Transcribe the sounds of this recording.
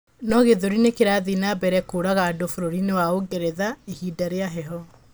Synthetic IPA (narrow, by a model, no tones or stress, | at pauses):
nɔɣeðoɾinekeɾaðinabɛɾɛkoːɾaɣaːdofoɾoɾinewaoɡɛɾɛðaehidaɾeaɦɛɦɔ